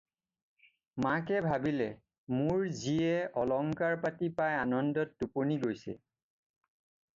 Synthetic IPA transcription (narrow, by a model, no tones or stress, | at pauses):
makɛbʱabilɛ | muɹziɛɔlɔŋkaɹpatipajanɔndɔtːuponiɡojsɛ̰